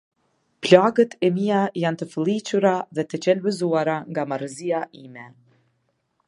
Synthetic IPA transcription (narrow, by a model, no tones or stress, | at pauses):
plaɡət̪ʰɛmiajant̪əfəlˠit͡ɕuɾaðɛt̪ət͡ɕɛlbəzuaɾaŋɡamaɾəziaʔimɛ